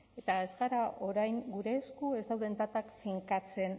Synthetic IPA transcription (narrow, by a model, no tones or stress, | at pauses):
e̞t̪aezɣaɾaʔo̞ɾajŋɡuɾe̞ːskue̞zd̪awð̞e̞nt̪at̪akfiŋkat͡se̞n